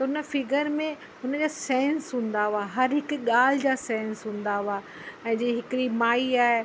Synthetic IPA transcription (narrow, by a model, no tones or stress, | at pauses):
t̪ɐʊnə̆fɪɡəɾmẽ | ʊnəd͡ʑaːsɛ̃ːnsɦũːn̆d̪aaɦɐɾɦɪkɠaːl̤ɪd͡ʑaːsɛ̃ːnsɦũːn̆d̪aaː | ɛ̃ːd͡ʑeːɦɪkɪɾimaːiaːɦe